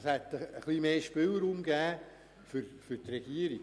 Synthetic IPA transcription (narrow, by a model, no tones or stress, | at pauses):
shɛt̪əəχlimeːʃpɪlɾuːmɡæː | føɾfʏɾt̪rɛɡ̥iəɾi̥